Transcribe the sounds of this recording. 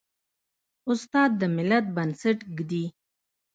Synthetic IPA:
ʊst̪ɑd̪̚ːəmɪlat̪̚bansaʈɡd̪i

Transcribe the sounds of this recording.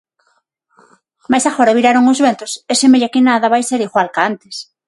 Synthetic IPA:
majsaɣoɾaβiɾaɾoŋʊzβɛnt̪ʊsɛsemeʎakɪnaðɐβajseɾiɣwalkaant̪es

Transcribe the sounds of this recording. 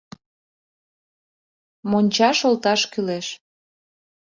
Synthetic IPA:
monʲt͡ɕɑʃolt̪ɑʃkyleʃ

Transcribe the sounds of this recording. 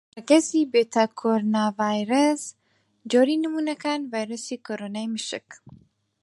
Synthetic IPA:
ɐɡɐsibet̪ʰɐkʰoɾonavajɾɐs | d͡ʒoɾinɨmunɐkanvajɾɐsikoɾonajmɨʃɪk

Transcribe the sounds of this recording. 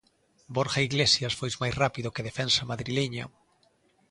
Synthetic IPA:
boɾxaiɣlesjasfojzmajsrapiðʊkeð̞efensamaðɾileɲa̰

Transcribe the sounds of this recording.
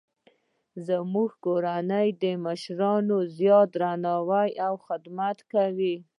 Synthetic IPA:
zəmuɡkoɾanəjd̪əmaʃɾɑnozjɑt̪ɾanɑwajawxɪd̪mat̪kawi

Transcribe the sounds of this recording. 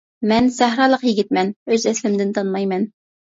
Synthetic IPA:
mɛnsæɦɾɑːlˠəqjɪɡʲit̪̚mɛnøzɛslɪmd̪ɪnt̪ʰɑnmɑjmɛn

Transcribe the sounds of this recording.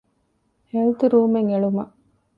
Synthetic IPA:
helt̪ɾuːmeŋeɭumɐ

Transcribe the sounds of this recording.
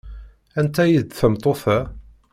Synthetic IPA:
ænt̪æjiðθəmt̪ˤoθæ

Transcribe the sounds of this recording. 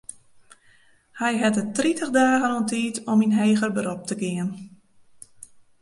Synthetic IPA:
hɛjɦɛtətritəxdaːɣənontʰiːtʰɔminɦeːɣərbəɾɔp̚tʰəɡɪən

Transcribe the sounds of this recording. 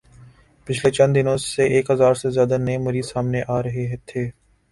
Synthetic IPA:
pɪt͡ʃʰlet͡ʃə̃nd̪ɪnõːseʔeːkɦəzaːɾsezjaːd̪anəẽmɐɾiːd̪saːmneʔaːɾɐɦeɦɛt̪ʰeː

